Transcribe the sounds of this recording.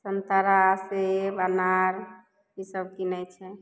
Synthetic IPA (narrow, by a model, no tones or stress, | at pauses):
sənt̪aɾasebanaɾ | isəbkinɛt͡ʃʰɛ